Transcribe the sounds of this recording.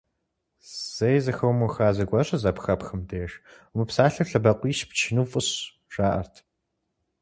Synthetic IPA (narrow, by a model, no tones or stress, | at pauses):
z̥ɐjzɐxɐwmuwxaːzɐɡʷɐɕʼɐzɐpxɐpxɨmdeːʃ | mɨpsaːɬɐfɬɐbɐqʷiːʃpt͡ʃʰɪnuːfʼʊɕ | ʒaːʔɐ̰rtʰ